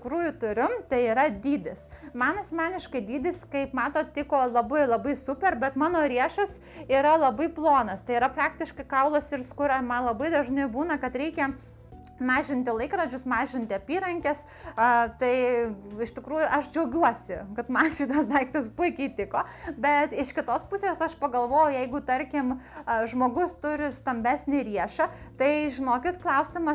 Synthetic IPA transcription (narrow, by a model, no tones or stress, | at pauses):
tʲɪkɾuːjʊt̪ʊɾʲʊmt̪ɐɪiːɾɐd̪ʲiːd̪ʲɪsmɐnɐsʲmʲɑːnʲɪʃkɐɪd̪ʲiːd̪ʲɪskɐɪpmɑːt̪oːt̪ʲɪkoːlˠɐbɐɪlˠɐbɐɪsʊpʲɛrbʲɛt̪mɑːnoːɾʲiɛʃɐs | iːɾɐlˠɐbɐɪplˠoːnɐst̪ɐɪiɾɐpɾɑːkt̪ʲɪʃkɐɪkɐʊlˠosɪrskʊɾɐmɐnlˠɐbɐɪd̪ɐʒnɐɪbuːnɐkɐt̪ɾʲɛɪkʲɛ | mɑːʒʲɪnʲt̪ʲɪlˠɐɪkɾɐd͡ʒʲʊsmɑːʒʲɪnʲt̪ʲɪɐpʲiːɾɐŋʲkʲɛs | ɐt̪ɐɪɪʃt̪ʲɪkɾuːjʊʔɐʃd͡ʒʲɛʊɡʲuɔsʲɪkɐt̪mɐnʃʲɪt̪ɐsd̪ɐɪkt̪ɐspʊɪkʲɛɪt̪ʲɪkoːbʲɛt̪ɪʃkʲɪt̪oːspʊsʲeːsɐʃpɐɡɐlˠʋoːjʊjɛɪɡʊt̪ɐɾʲkʲɪmʒmoːɡʊst̪ʊɾʲɪst̪ɐmʲbʲæsʲnʲɪɾʲiɛʃɐt̪ɐɪʒʲɪnoːkʲɪt̪klˠɐʊsʲɪmɐ